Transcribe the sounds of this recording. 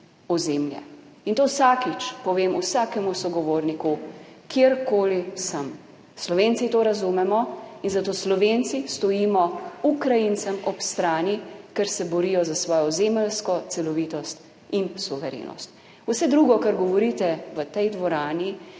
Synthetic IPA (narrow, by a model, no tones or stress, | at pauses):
ɔzeːmljɛ̰ | int̪owsakit͡ʃpɔʋeːmusaːkɛmusɔɡɔʋoːɾnikukjeɾkoːlisəm | slɔʋeːntsit̪oɾazumɛmɔinzat̪oːslɔʋent̪sist̪ɔjimɔukɾajinsamɔpst̪ɾaːnikɛɾsɛbɔɾijɔzasʋɔːjɔzeməlskɔt̪sɛlɔʋiːt̪ɔst̪ | insuʋɛɾḛːnɔ̰st̪ | usɛd̪ɾuɡɔkaɾɡɔʋɔɾit̪ɛʋət̪ɛjd̪ʋɔɾaːni